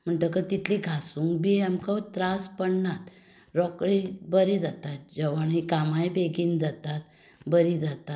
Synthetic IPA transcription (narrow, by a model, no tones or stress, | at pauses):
m̤əɳʈ̪əkət̪it̪ʰliɡʱasuŋkbiɛmkət̪ɾaspəɳnat̪ | ɾɔkɽibəɾid͡zat̪at̪̚d͡ʑəʋaɳikamajbeɡiːnd͡zat̪at̪ | bəɾid͡zat̪at̪